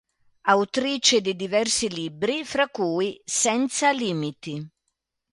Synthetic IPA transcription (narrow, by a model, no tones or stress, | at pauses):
awt̪ɾiːt͡ʃɪd̪ɪd̪ivɛrsiliːbɾifɾakːuːisɛnt̪saliːmit̪i